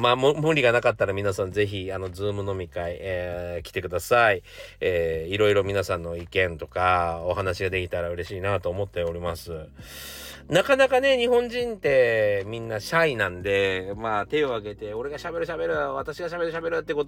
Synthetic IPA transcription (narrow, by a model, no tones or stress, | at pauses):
maːmɯmɯ̟̃nɾʲiɡanakat̪ːaɾamʲinasãnd͡ze̞çiano̞d͡zɨːmɯ̟no̞mʲikaiekʲi̥t̪e̞kɯ̟d̪asai | eːiɾo̞iɾo̞mʲinasãnːo̞ikẽ̞nt̪o̞̥kao̞ɦanaɕiɡad̪e̞kʲit̪aɾaɯ̟ɾe̞ɕiːnat̪o̞ːmo̞t̪ːe̞o̞ɾʲimasɨ | nakanakane̞ɲ̟iɦõ̞ɲ̟d͡ʑĩnt̪e̞mʲĩnːaɕainãnd̪e̞maːt̪e̞o̞aɡe̞t̪e̞o̞ɾe̞ɡaɕabe̞ɾɯ̟ɕabe̞ɾɯ̟βat̪aɕiɡaɕabe̞ɾɯ̟ɕ̬abe̞ɾɯ̟t̪ːekot̪